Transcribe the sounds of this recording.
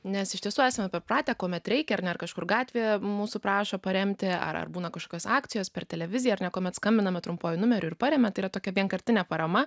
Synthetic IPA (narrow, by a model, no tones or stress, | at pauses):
nʲɛsɪʃt̪ʲiɛsuːæːsɐmʲɛpʲɛrprɑːt̪ʲɛkoːmʲɛt̪ɾʲɛɪkʲɛɐɾnʲɛɐrkɐʃkʊrɡɑːt̪ʲʋʲeːjɛmuːsʊpɾɑːʃoːpɐɾʲɛmʲt̪ʲɪɐ̰ɾɐ̰rbuːnɐkɐʃkoːkʲoːsɑːkt̪t͡ssʲɪjoːspʲɛrt̪ʲɛlʲɛʋʲɪzʲɪjɛɐɾnʲɛkoːmʲɛt̪skɐmʲbʲɪnɐmʲɛt̪ɾʊmpoːjɪnʊmʲɛɾʲʊɪrpɐɾʲeːmʲɛt̪ɐɪiːɐt̪oːkʲɛʋʲiɛnkɐɾʲt̪ʲɪnʲɛpɐɾɐmɐ